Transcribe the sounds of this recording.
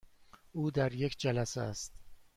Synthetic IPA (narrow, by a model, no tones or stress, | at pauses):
ʔuːd̪æɾjecʰd͡ʒælæsḛæst̪